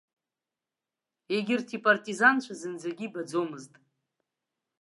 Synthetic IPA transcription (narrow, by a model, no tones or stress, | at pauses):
eɡʲɪrtʰipʼartʼizant͡ʃʷʰazɨnd͡zaɡʲibad͡zomɨztʼ